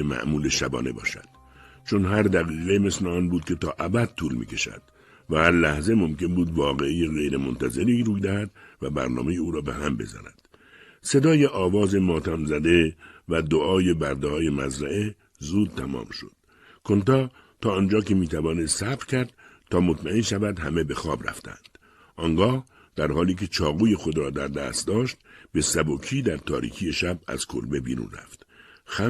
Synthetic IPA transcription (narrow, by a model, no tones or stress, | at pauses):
emæ̰ʔmuːleʃæbɒ̰ːne̞̰bɒ̰ːʃæ̰d̪̥ | t͡ʃʰonɦæɾd̪æɣiːɣeme̞sleɒːnbuːd̪̚kʲʰe̞t̪ɒːʔæbæd̪̚t̪ʰuːlmḭːkʲʰe̞ʃæ̰d̪̥ | væhæɾlæhze̞mo̞mke̞nbuːd̪vɒːɣe̞ijeɣejɾemont̪ʰæze̞ɾiɾuːjd̪æhæd̪væbæ̰ɾnɒ̰ːme̞jeuːɾɒːbḛhæmbe̞̰zæ̰næ̰d̪̥ | se̞d̪ɒːje̞ʔɒːvɒːze̞mɒːt̪ʰæmzæd̪e̞væd̪oʔɒːje̞bæɾd̪ɒːje̞mæ̰zɾæe | zuːd̪̚t̪ʰæmɒ̰ːmʃo̞d̪̥ | kʰo̞nt̪ɒː | t̪ʰɒːnd͡ʒɒːkʰe̞miːt̪ʰævɒːnessæbɾkʰæɾd̪̥ | t̪ʰɒːmot̪ʰmæenʃævæd̪hæme̞be̞xɒːbɾæ̰ft̪ʰæ̰nd̪̥ | ʔɒːŋɡɒːh | d̪̥æɾhɒːliːkʰe̞t͡ʃʰɒːɣuːje̞xo̞d̪ɾɒːd̪æɾd̪æ̰ːst̪d̪ɒːʃt̪̚be̞sæbokʰiːd̪æɾt̪ʰɒ̰ːɾḭːkʰije̞ʃæb̚æ̰z̥kʰo̰lbe̞bḭːɾṵːnræ̰ft̪xæ